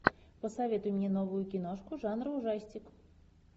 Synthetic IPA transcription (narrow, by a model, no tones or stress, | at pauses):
pɔsaʋʲɛt̪ʊmʲnʲinɔʋʊjʊkʲinɔʂkʊʐɑnɾʊwʐɑsʲt͡sʲik